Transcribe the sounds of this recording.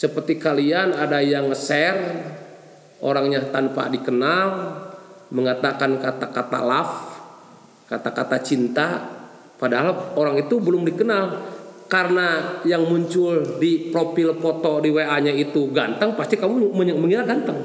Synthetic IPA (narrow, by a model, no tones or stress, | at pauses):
səpərt̪ikalianadajaŋəsɛr | o̰ɾaŋɲat̪anpa̰dikənal | məŋat̪akankat̪akat̪a̰laf | kat̪akat̪at͡ʃint̪a | padaɦaloɾaŋit̪ubəlʊmdikənalkarənajaŋmuɲt͡ʃʊldipɾopilpɔt̪ɔdiweaɲait̪uɡant̪əŋpast̪ikamuməməŋinaɡant̪əŋ